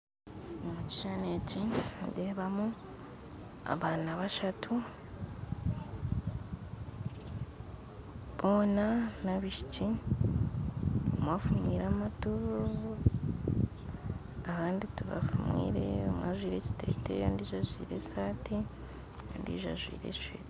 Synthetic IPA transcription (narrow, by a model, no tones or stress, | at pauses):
omuci̥ʃanecindeːβamu | a̰βaːnaβaʃatʰu | βo̞ːnanaβiʃici | omwaːfumwiːɾamatuβ | ahaːndituβa̰fumwḭːɾḛomwa̰ːʒwiːɾe̞ci̥te̞̰ːtḛondiːʒaʒwḭːɾe̞̰saːti | ndḭʒaʒwḭːɾe̞̰i̥ʃeɾ